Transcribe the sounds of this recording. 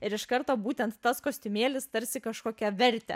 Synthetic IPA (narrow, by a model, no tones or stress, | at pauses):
ɪɾɪʃkɐɾt̪oːbuːt̪ʲɛnt̪ːɐskoːsʲt̪ʲʊmʲeːlʲɪst̪ɐɾʲsʲɪkɐʃkoːkʲɛʋʲɛɾʲt̪ʲɛ̰